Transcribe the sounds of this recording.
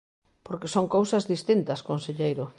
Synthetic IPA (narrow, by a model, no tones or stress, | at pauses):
poɾkɪsoŋkowsɐzðist̪int̪ɐskonseʎejɾʊ